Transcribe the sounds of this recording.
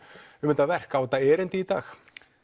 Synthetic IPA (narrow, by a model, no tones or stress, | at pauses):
ʏmɪnt̪avɛr̥kawt̪aɛːɾɪnt̪ɪit̪a̰ːx